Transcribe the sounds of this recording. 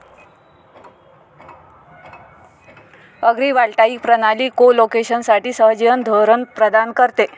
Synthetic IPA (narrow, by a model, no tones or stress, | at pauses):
əɡɾiːʋaɭʈaikpɾənaliːkolokeɕənsaʈiːsəɦd͡ʑjənd̪ʱoɾənpɾəd̪ankəɾt̪e